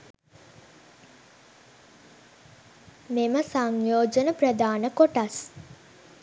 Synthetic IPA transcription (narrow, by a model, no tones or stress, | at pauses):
meməsaŋjoːd͡ʒənəprəd̪aːnəkoʈas